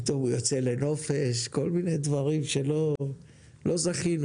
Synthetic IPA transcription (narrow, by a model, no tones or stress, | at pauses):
it̪o̞mujot͡sele̞no̞feʃko̞lminejd̪vaʁimʃe̞lo̞ | lo̞zaχinu